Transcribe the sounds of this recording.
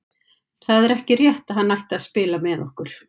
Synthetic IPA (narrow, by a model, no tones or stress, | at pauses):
θaðɛɾɛhcɪrjɛht̪aðɦanːajht̪aðspɪːlamɛːðɔhkʏɾ̥